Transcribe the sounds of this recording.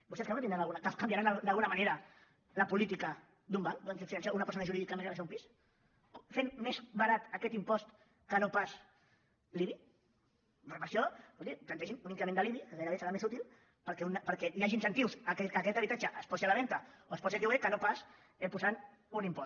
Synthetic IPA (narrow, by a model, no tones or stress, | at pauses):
bust̪ɛeskanat̪ind̪ɾanalɣunakakambjaɾand̪ɐlɣunɐmaneɾɐ | lɐpulit̪ikə | d̪umbaŋd̪ɔnsifinans̬aunɐpəɾs̬onɐʒuɾiðikamẽnaβasaumpis | femːezβaɾat̪əkɛt̪impɔst̪ | kənopas | liβi | rəpɾsjobɔld̪it̪ɐnt̪ɛʃinunĩŋkɾəmẽnd̪əliβiəɣajɾɐβesəɾamesut̪ilˠ | pəɾkɛunpəɾkɛjaʒinsənt̪iwsakɛəkɛt̪ɐβit̪at͡ʃəʔəspɔsialaβɛnt̪ɐoəspɔsiakiwekənopas | epuzan | unimpɔs